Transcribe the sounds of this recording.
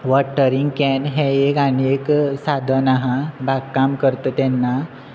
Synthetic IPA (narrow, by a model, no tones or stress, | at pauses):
ʋɔʈːəɾiŋɡkɛnɦɛ̃ekanieksad̪ʱənaɦãbaɡkːamkəɾt̪ət̪ɛnːa